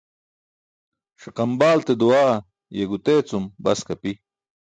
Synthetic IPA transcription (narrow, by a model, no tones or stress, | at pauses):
ʂiqɑmbaːlt̪ed̪uwaː | jeɡut̪eːt͡sumbɐskapi